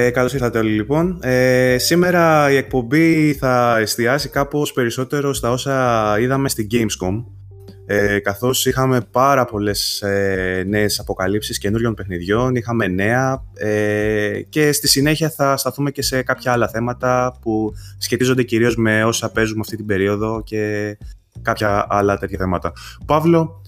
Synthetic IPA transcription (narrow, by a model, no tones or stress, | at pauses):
ekɐlosiθɐt̪eo̞lilipo̞nesime̞ɾɐie̞k̚po̞mbiθɐe̞st̪iɐzikɐpo̞spe̞ɾiso̞t̪e̞ɾo̞st̪ɐo̞sɐiðɐme̞st̪iɟejmskom | ekɐθo̞sixɐme̞pɐɾɐpo̞le̞sene̞ːsɐpo̞kɐlipsisce̞nuɾʝo̞npe̞xniðʝo̞nixɐme̞ne̞ɐe | ce̞st̪isine̞çiɐθɐst̪ɐθume̞ce̞se̞kɐpçɐɐlɐθemɐt̪ɐpusçe̞t̪izo̞nd̪e̞ciɾio̞zme̞o̞sɐpe̞zumɐft̪it̪ibe̞ɾio̞ðo̞ce̞ | kɐpçɐʔɐlɐt̪çɐθemɐt̪ɐpɐvlo̞